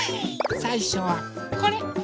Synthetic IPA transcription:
saiɕoβakoɾe

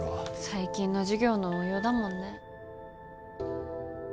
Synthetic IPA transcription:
saikʲĩnːo̞ʑiɡʲo̞ːnoojoːd̪amõ̞nːe̞

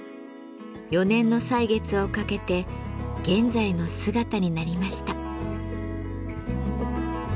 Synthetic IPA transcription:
jo̞nẽ̞nːo̞saiɡe̞t͡sɨo̞kake̞t̪e̞ɡ̥ẽ̞nd͡zaino̞sɨɡat̪aɲ̟inaɾʲimaɕi̥t̪a

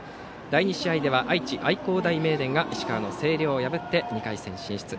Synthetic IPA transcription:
d̪̥aiɲ̟iɕiaid̪e̞βaʔait͡ɕiʔaiko̞ːd̪aime̞ːd̪ẽ̞ŋɡaʔiɕi̥kaɾano̞se̞ːɾʲo̞ːojabɯ̟t̪ːe̞ɲ̟ikaisẽ̞ɕĩɰ̃ɕi̥t͡sɨ

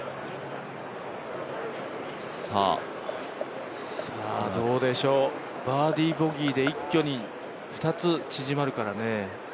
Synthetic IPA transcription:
sa̰ | sɨβa̰d̪o̞ːd̪e̞ɕo̞ː | baːd̪ʲiːbo̞ɡʲiːd̪e̞ikʲːo̞ɲ̟i | ɸɯ̟̥t̪at͡sɨt͡ɕiʑimaɾɯ̟kaɾane̞

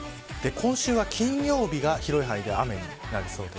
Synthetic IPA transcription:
d̪̥e̞kʰõ̞ɰ̃ɕɨːβakʲʰĩɰ̃jo̞ːbʲiɡaçiɾo̞iɦaid̪e̞ame̞ɲ̟inaɾʲiso̞ːd̪e

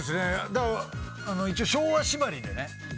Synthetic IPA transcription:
esɨned̪a | ano̞it͡ɕioːɕo̞ːβaɕibaɾʲid̪e̞̰ne̞

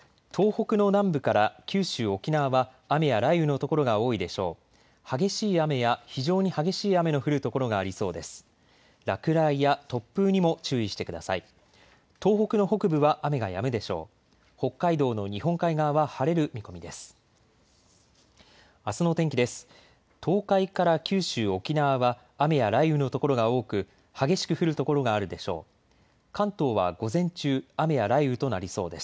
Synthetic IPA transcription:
t̪ʰo̞ːho̞kɯ̟no̞nãmbɯ̟kaɾakʲɨːɕɨːo̞kʲinaːβaː | me̞jaɾaiɯ̟no̞t̪o̞ko̞ɾo̞ɡao̞ːid̪e̞ɕo̞ː | haɡe̞ɕiːame̞jaçiʑo̞ːɲ̟ihaɡe̞ɕiːame̞no̞ɸɯ̟ɾɯ̟t̪o̞ko̞ɾo̞ɡaːɾʲiso̞̰ːd̪e̞sɨ̥ | ɾakɯ̟ɾaijat̪o̞pːɯ̟ːɲ̟imo̞t͡ɕɨːiɕi̥t̪e̞kɯ̟d̪a̰sai | t̪o̞ːho̞kɯ̟no̞ho̞kɯ̟bɯ̟βaʔame̞ɡaja̰mɯ̟d̪e̞ɕo̞̰ː | ho̞kːaid̪o̞ːno̞ɲ̟iɦõ̞ŋkaiɡaːβahaɾe̞ɾɯ̟mʲiko̞mʲid̪e̞sɨ̥ | asɨno̞t̪ẽ̞ŋkʲid̪e̞sɨ̥ | t̪ʰo̞ːkaikaɾakʲɨːɕɨːo̞kʲinaβaβaː | me̞jaɾaiɯ̟no̞t̪oko̞ɾo̞ɡao̞ːkɯ̟ | haɡe̞ɕi̥kɯ̟ɸɯ̟ɾɯ̟t̪o̞ko̞ɾo̞ɡaːɾɯ̟d̪e̞ɕo̞̰ː | kãnt̪o̞ːβa̰ɡo̞zẽ̞ɲ̟t͡ɕɨːame̞jaɾaiɯ̟t̪o̞naɾʲiso̞ːd̪e̞sɨ̥

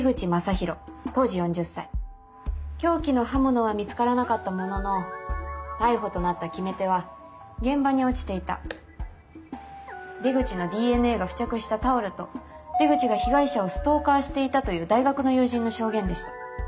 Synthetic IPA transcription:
ɡɯ̟t͡ɕimasaçiɾo̞t̪o̞ːʑijõ̞ɲ̟d͡ʑɨsːai | kʲo̞ːkʲinohamɯno̞βamʲit͡sɨ̥kaɾanakat̪ːamo̞no̞no̞ | t̪aiɦo̞t̪o̞nat̪ːakʲime̞t̪e̞β̞a | ɡẽ̞mbaɲ̟io̞t͡ɕi̥t̪e̞it̪a̰ | d̪e̞ɡɯ̟t͡ɕino̞d̪ʲiːe̞nɯe̞ːɡaɸɯ̟̥t͡ɕakɯ̟ɕi̥t̪at̪ao̞ɾɯ̟t̪o̞ | d̪e̞ɡɯ̟t͡ɕiɡaçiɡaiɕao̞sɨ̥t̪o̞ːkaːɕi̥t̪e̞it̪at̪o̞jɯ̟ːd̪aiɡakɯ̟no̞jɯ̟ːʑĩnːo̞ɕo̞ːɡẽ̞nd̪e̞ɕi̥t̪ḁ

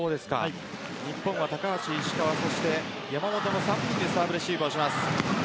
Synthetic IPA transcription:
oːd̪e̞sɨ̥ka̰ | ɲ̟ipːõ̞βat̪akaat͡ɕiːɕi̥kaβaso̞ɕi̥t̪e̞ | jamamo̞t̪o̞nosãmĩnd̪esaːbɯɾeɕiːkoːɕimasɨ̥

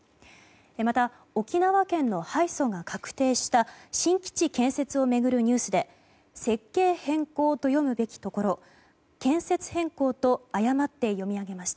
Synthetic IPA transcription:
emat̪a | o̞kʲinaβakẽ̞nːo̞haiso̞ŋakʰakɯ̟̥t̪e̞ːɕi̥t̪aɕĩŋkʲi̥t͡ɕikẽ̞ɰ̃se̞t͡sɨo̞me̞ɡɯ̟ɾɯ̟ɲ̟ɨːsɨd̪e̞ | se̞kːe̞ːhẽ̞ŋko̞ːt̪o̞jo̞mɯ̟be̞kʲi̥t̪o̞ko̞ɾo̞ | kẽ̞ɰ̃se̞t͡sɨ̥hẽ̞ŋko̞ːt̪o̞ajamat̪ːe̞jo̞mʲiaɡe̞maɕi̥t̪a

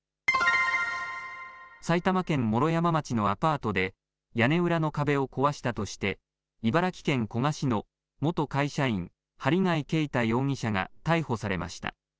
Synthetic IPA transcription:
sait̪amakẽ̞mːo̞ɾo̞jamamat͡ɕino̞apaːt̪o̞d̪e̞ | jane̞ɯ̟ɾano̞kabe̞o̞ko̞βaɕi̥t̪at̪o̞ɕi̥t̪e̞ | ibaɾakʲi̥kẽ̞ŋko̞ŋaɕino̞ | mo̞t̪o̞kaiɕaĩŋ | haɾʲiŋaike̞it̪ajo̞ːŋ̟iɕaŋa̰t̪aiho̞saɾe̞̰ma̰ɕi̥t̪a̰

